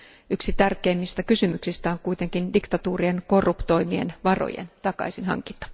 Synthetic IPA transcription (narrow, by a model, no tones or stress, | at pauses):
yksit̪ærkeːmːist̪ækysymyksist̪æoŋkuit̪eŋkindikt̪ɑt̪uːrienkorːupt̪o̞imie̞̰nʋɑro̰jḛnt̪ɑkɑ̰isinhɑ̰ŋkint̪ɑ̥